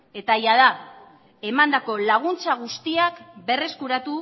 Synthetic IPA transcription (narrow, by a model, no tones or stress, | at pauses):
e̞t̪ajað̞a | e̞mand̪ako̞laɣ̞unt͡saɣ̞ust̪iakbe̞re̞skuɾat̪u